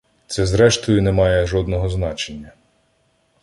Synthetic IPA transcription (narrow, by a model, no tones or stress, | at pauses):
t̪sɛzɾɛʃt̪ɔjʊnɛmɑjɛʒɔd̪nɔɦɔznɑt͡ʃenʲːɐ